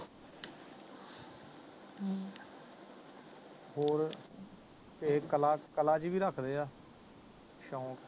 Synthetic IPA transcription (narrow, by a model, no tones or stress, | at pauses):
ɦoːɾ | t̪ekəlaːkəlaːt͡ʃiːbiːɾəkʰd̪eːaː | ʃɔ̃ːk